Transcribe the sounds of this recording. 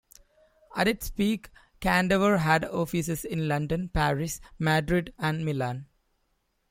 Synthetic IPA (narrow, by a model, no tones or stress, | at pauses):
æ̰ʈɪʈspiːk | kæ̃ɳɖəʋəɾɦæɖɔːfisesɪ̃nlʌ̃ɳɖə̃npæːɾɪsmaɖɾɪɖæ̃ɳɖmɪlãːn